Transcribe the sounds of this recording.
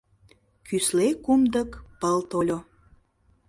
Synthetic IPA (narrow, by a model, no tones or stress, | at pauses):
kʰyslekumd̪əkpəlt̪olʲo